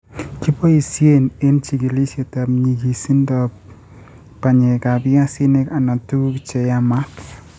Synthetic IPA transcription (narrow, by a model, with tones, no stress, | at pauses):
ki˦pɔ˦i˨sje˦ne˦nt͡ʃi˨ɡi˨li˦sje˨ta˨mɲi˨ɡi˨si˦ndɔp | pa˨ɲe˨ka˨bja˦si˦ne˦ka˨na˨tu˦kt͡ʃe˨ja˦ma˦t